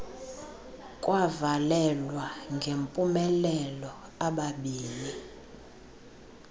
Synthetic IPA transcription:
kʼwavalɛlwaŋɡʱempʼumɛlɛlɔaɓaɓiːli

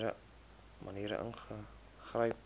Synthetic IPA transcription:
ɾə̰ | mʔɐniːɾə̰ʔə̰nχə | χrəj

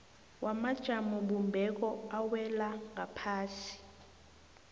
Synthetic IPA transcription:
wʔamad̥ʒ̥ʱamuɓumbʱɛk̬ɔawɛlaŋapʰaːsi̥

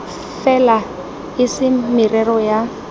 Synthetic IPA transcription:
fɛla | ɪsɪmirɛrɔja

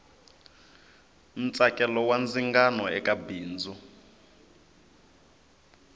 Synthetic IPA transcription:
n̩t͡sʼakʼɛlɔwand͡ziŋɡanɔɛkʼabiːnd͡zu

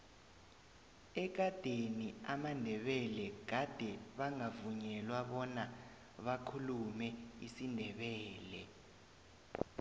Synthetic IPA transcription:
ɛk̬ad̥ʱeniamandʱɛɓɛlɛɡ̥̬ʱad̥ʱɛɓaŋavuɲɛlwaɓɔna | ɓakʰulumɛisindʱɛɓɛːlɛ

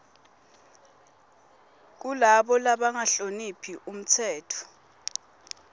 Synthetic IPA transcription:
k̬ulaɓɔlaɓaŋaɬonipʰiʔum̩t͡sʰɛːtʰɔ̥

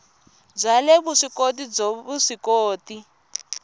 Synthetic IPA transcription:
b͡ʐaleβuʂikotid͡zoβuʂikoːti

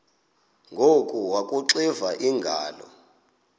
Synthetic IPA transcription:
ŋɡʱokʼuwakʼuǁivaʔiŋɡʱa̰ːlɔ̰

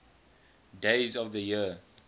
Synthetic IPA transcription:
deɪzɔvðəji

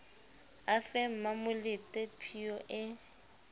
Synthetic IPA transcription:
afɛm̩mamʊlɪtʼɛpʰiɔʔɪ

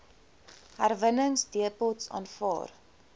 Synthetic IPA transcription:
hærvənəŋsdiəpɔtsɑ̰ːnfɑ̰ːr

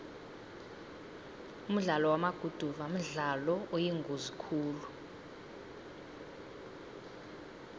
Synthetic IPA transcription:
um̩ɮalɔwamaɡ̥ʱud̥ʱuvam̩ɮalɔojiŋɡʱuzikʰuːlu

